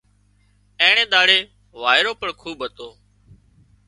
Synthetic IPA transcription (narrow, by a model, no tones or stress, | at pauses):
ẽːɳẽːɗ̪aːɽeː | ʋaːɪɾoːpəɳkʰuːbɦət̪oː